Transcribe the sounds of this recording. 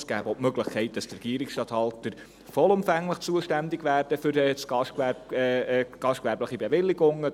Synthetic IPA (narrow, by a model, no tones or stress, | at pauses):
sɡ̥æːbopmøɡlɪχkʰɛɪt̚d̥ɑstrɛɡ̥iːəɾɪksʃtɑthɑltəɾ | fɔlʊmfæŋləχt͡suəʃtændɪɡʋæːɾd̥əfʏɾɛt͡sɡɑʃkɛ | ɡ̥ɑʃtkʋɛɾbləχibeʋɪlːɪɡʊŋːə